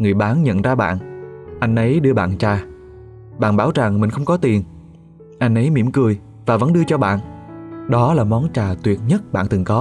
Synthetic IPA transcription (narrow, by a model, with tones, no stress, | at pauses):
ŋɨ˨˩əjɓaː˨˦nɲə̰˧˨nzaː˧ɓa̰ː˧˨nʔa˧jŋ̟ʔə˨˦jɗɨ˧əɓa̰ː˧˨nt͡ɕaː˨˩ | ɓa̰ː˧˨nɓaː˧˩wza˨˩ŋmï˨˩ŋ̟xə˧wŋ͡mkɔ˨˦t̪i˨˩ən | ʔa˧jŋ̟ʔə˨˦jmḭ˧˩mkɨ˨˩əj | vaː˨˩və̰˧˥nɗɨ˧ət͡ɕɔ˧ɓa̰ː˧˨nɗɔ˨˦laː˨˩mɔ˨˦nt͡ɕaː˨˩t̪wi˨˩ət̚ɲə˦˥t̚ɓa̰ː˧˨nt̪ɨ˨˩ŋkɔ˨˦